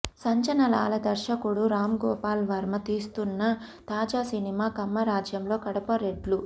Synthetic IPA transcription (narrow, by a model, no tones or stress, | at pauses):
sɐɲt͡ʃɐnɐla̰ːlɐd̪ɐɾʃɐkuɽuɾaːmɡɔːpaːlʋɐɾmɐt̪iːst̪unːɐt̪aːd͡ʒaːsinimaːkɐmːɐɾaːd͡ʒjɐmlo̞ːkɐɽɐpɐɾeɖlu